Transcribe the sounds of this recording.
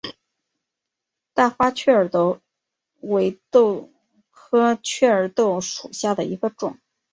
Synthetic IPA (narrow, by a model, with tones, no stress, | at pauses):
t̪a˥˩fa˥t͡ɕʰɥɛ˥˩ə˞˨˩˥t̪o˥˩ʊ | we˧˥ɪt̪o˥˩ʊ | kʰɤ˥t͡ɕʰɥɛ˥˩ə˞˨˩t̪o˥˩ʊʂu˨˩ɕja˥˩d̪ə˩i˧˥ɡə˧ʈ͡ʂʊ̰˨˩˦ŋ